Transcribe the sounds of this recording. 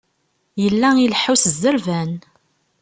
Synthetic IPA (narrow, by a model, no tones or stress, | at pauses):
jəlːæilħusəzːəɾvæn